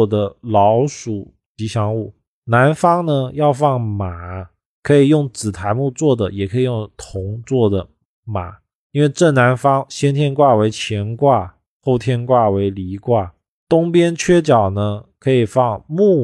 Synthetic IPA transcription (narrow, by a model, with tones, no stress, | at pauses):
d̪ə˦lɑ˧˥ʊʂu˨˩ | t͡ɕi˧˥ɕjɑ˧˥ŋu˥˩ | na˧˥nfɑ˥ŋnə˧jɑ˥˧ʊfɑ˥˩ŋma˨˩˦ | kʰɤ˧˥i˨˩jʊ˥˩ŋt͡sɹ̩˨˩t̪ʰa˧˥ɪmu˥˧t͡swɔ˥˩d̪ə˩jɛ˨˩kʰɤ˧˥i˨˩jʊ˥˩ŋt̪ʰʊ˧˥ŋt͡swɔ˥˩d̪ə˩ | ma˨˩˦ | i˥nwe˥˧ɪʈ͡ʂɤ˥˩na˧˥nfɑ˥ŋɕjɛ˥nt̪ʰjɛ˥nkwa˥˩we˧˥ɪt͡ɕʰjɛ˧˥nkwa˥˩ | xo˥˩ʊt̪ʰjɛ˥nkwa˥˩we˧˥ɪli˧˥kwa˥˩ | t̪ʊ˥ŋpjɛ˥nt͡ɕʰɥɛ˥t͡ɕjɑ˨˩ʊnə˦kʰɤ˧˥i˨˩fɑ˥˧ŋmu˥˩